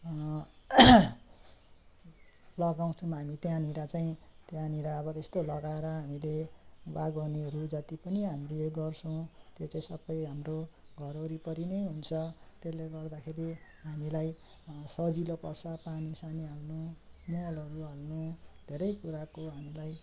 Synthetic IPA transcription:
lʌɡaw̃t͡sʰʌmɦamit̪jãniɾat͡saĩt̪jãniɾaʌbʌtest̪olʌɡaeɾʌɦamilebaɡʌneɾud͡zat̪ipʌniɦamileɡʌrt͡sʰʌw̃t̪jot͡saĩsʌbːʌjɦamroɡʱʌɾʌɾipʌɾineɦunt͡sʰʌt̪esleɡʌrd̪akʰeɾi | ɦamilaj | sʌd͡zilopʌrsʰʌpanisanialnumoalʌɾuɦalnud̪ʱeɾʌjkuɾakoɦamilaj

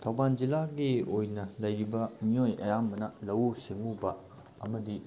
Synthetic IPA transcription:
tʰɐwband͡ʒilaɡiojnɐlɐjɾibɐmiojʔɐ̰jambɐnɐlɐwuseŋubɐ | ɐmɐdi

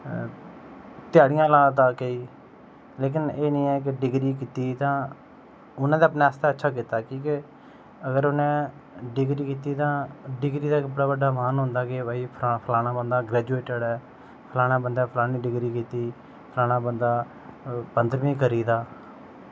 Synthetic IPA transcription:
t̪ɪjaːɽɪjãːlaːãt̪ãːkəiː | leːk̬ɪneːnĩːɛːk̬ɪɖɪɡɾiːkiːt̪iːt̪ãː | ʊnãːd̪eːəpnɛ̃ːst̪ɛːətːʃʰaːk̬iːt̪aːkĩːkɪ | əɡəɾʊnẽː | ɖɪɡɾiːkiːt̪iːt̪ãːɖɪɡɾiːd̪aːkbəɽaːbəɖaːmaːnɦʊ̃ːnd̪aːkebaːiːpʰapʰəlaːɽãːbənd̪aːɡɾɛːd͡ʒueːʈəɽɛː | pʰəlaːɽ̃ãːbənd̪aːpʰəlaːnĩːɖɪɡɾiːkiːt̪iː | pʰəlaːɽ̃ãːbənd̪aː | pənd̪əɾʋĩːkəɾiːd̪aː

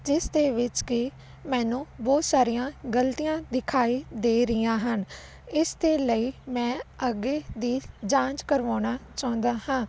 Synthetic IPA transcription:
d͡ʒɪsd̪eːʋɪt͡ʃkɪ | mɛ̃ːnũːbɔːt̪saːɾijãːɡəlt̪ijãːd̪ɪkʰaːiːd̪eːɾɪjãːɦən | ɪsd̪eːləiːmɛ̃ːəɡeːd̪iːd͡ʒãːt͡ʃkəɾʋãːnaːt͡ʃãːʊ̃nd̪aːhãː

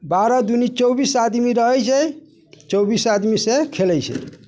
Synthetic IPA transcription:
baɾɔd̪unit͡ʃɔwbisad̪miɾəɦɛjt͡ʃʰɛ | t͡ʃɔbisad̪misekʰelɛjt͡ʃʰɛ̰

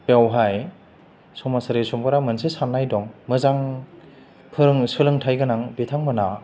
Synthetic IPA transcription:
pewɦaj | sɔmasɯɾesɔmbɯɾamɯnsisanːajdɔŋmɯzaŋ | pʰɯɾɯŋsɯlɯŋtʰajɡɯnaŋbitʰaŋmɯna

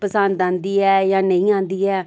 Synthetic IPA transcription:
pəsənd̪ãːnd̪iːɛːjãːnəĩːãːnd̪iːɛː

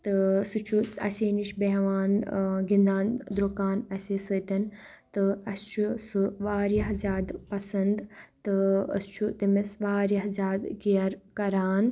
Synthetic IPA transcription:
t̪ɨsɨt͡ʃʰuɐseːniʃbeɦʋaːnɡind̪aːnd̪ɾukaːnɐsʲeːsɨt̪ʲɐn | t̪ɨɐst͡ʃʰusɨʋaːɾjɐɦzaːd̪pɐsɐnd̪t̪ɨɐ̰st͡ʃʰut̪imesʋaːɾjɐɦzaːd̪kijɐɾkɐɾaːn

